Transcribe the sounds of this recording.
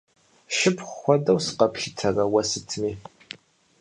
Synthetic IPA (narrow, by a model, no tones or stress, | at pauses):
ʃɪpʰχʷxʷɔdɐwsə̥qɐpɬɪtʰɐrɐwɐsɨtʰmiː